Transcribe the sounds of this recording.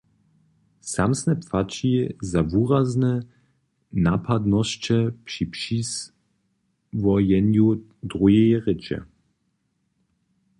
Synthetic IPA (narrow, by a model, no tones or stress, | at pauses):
samsnɛpfat͡ʃizavuʁaznɛ | napʰad̪nɔst͡ʃɛpʂipʃis | vɔjɛnju | d̪ʁujɛjʁɪt͡ʃɛ̰